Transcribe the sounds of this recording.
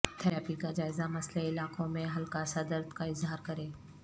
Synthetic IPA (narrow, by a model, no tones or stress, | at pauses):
t̪ʰɛːɾaːpikad͡ʒaːɪzamɐsleɪlaːqõmẽɦɐlkasad̪əɾd̪kaɪzɦaːɾkɐɾẽː